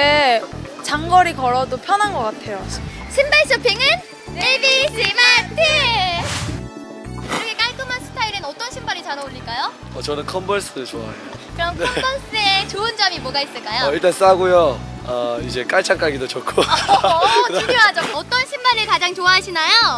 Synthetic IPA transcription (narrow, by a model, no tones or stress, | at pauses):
et͡ɕaŋɡʌɾikʌɾʌdopʰjʌnɦanɡʌk͈atʰe̞jo | ɕʰimbaɭs͈ʌpʰiŋɯn | ebisimantʰi | kiɾʌkʰe̞k͈aɭk͈ɯmansʰɯ̥tʰaiɾɯnʌt͈ʌnɕʰimbaɾit͡ɕanʌoʎːiɭk͈ajo | ʌt͡ɕʌnɯnkʰʌmbʌɭs͈ɯɾɯɭt͡ɕoa̰ejo | kɯɾʌmneʌmbʌɭs͈ɯet͡ɕoɯnd͡ʑʌmimoɡais͈ɯɭk͈ajoiɭt͈ans͈aɡojo | ʌid͡ʑe̞k͈aɭt͡ɕʰaŋk͈aɡidot͡ɕokʰo | ujoɦad͡ʑoʌt͈ʌnɕʰimbaɾɯɭkad͡ʑaŋt͡ɕoaɦaɕʰinajo